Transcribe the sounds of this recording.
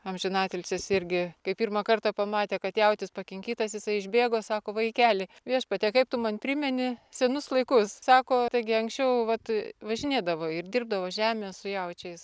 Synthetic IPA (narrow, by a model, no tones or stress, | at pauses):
ɐmʲʒʲɪnɑːt̪ʲɪlʲt͡sʲɪsɪrʲɡʲɪkɐɪppʲiːrmɐkɐrt̪ɑpɐmɑːt̪ʲeːkɐt̪jɛʊt̪ʲɪspɐkʲɪŋʲkʲiːt̪ɐsjɪsɐɪɪʒʲbʲeːɡoːsɑːkoːʋɐɪkʲæːlʲɪʋʲiɛʃpɐt̪ʲeːkɐɪp̚t̪ʊmɐnpʲɾʲɪmʲɛnʲɪsʲɛnʊslˠɐɪkʊssɑːkoːt̪ɐɪɡʲɪɐŋksʲt͡ʃʲɛʊʋɐt̪ʋɐʒʲɪnʲeːd̪ɐʋoːɪrd̪ʲɪrb̚d̪ɐʋoːʒʲæːmʲeːssʊjɛʊt͡ʃʲɛɪs